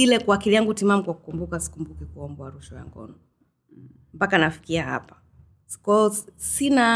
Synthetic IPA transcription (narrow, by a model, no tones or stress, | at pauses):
ilɛkuakiliaŋɡutimamukwaku̥kumbukasi̥kumbukɛkuɔmbɔaɾuʃɔja̰ŋɡɔ̰nɔ | m̩pakanafi̥kiaha̰pḁ | kɔɔsina